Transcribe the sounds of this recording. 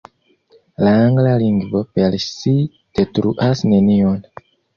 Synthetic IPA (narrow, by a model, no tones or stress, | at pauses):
laaŋɡlaliŋɡvo̞pelsi | d̥e̞tɾuʔasne̞nion